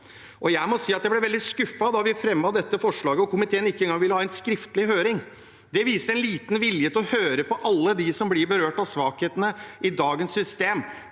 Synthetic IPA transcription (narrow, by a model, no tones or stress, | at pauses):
ʔɔjæɪmɔsiːɑt̪̚d̪ɛblɛʋɛld̪ɪskʉfːɑd̪ɑʋɪfɾɛmːɑd̪ɛt̪ːəfɔʂɭɑːɡəɔkʊmɪt̪ʰeːənɪkːɛnɡɑŋʋɪlːəhɑːɛnskɾɪft̪əlɪɦøːɾɪŋ | d̪ɛʋiːsəɾɛnliːt̪n̩ʋɪljət̪ʰɪlɔhøːɾəpɔʔɑlːəd̪ɪsɔmblɪɾbəɾøːʈɑʋsʋɑːkheːt̪ənəʔɪd̪ɑːɡənsːʏst̪eːm